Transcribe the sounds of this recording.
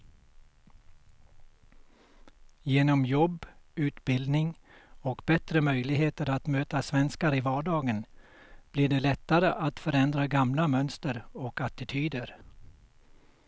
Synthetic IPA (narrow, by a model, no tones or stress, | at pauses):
jeːnɔmjɔbːʉ̟ːt̪bɪld̪nɪŋɔkbɛt̪ɾəmœjlɪɡɦeːt̪əɾat̪møːt̪asvɛnskaɾɪvɑːɖɑːɡən | b̥lɪɖɛlɛt̪ːaɾəʔat̪fœɾɛnd̪ɾaɡamlamœnst̪əɾɔkat̪ɪt̪ʰyːd̪əɾ